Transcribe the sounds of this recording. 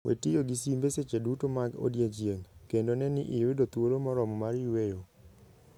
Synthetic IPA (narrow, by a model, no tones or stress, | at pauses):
wʔḛtijoɡisimbeset͡ʃedutomaɡo̰djed͡ʒjeŋkendonɛnɪ̰ʔɪwedot̪woɾomɔɾɔmɔmaɾjuwejo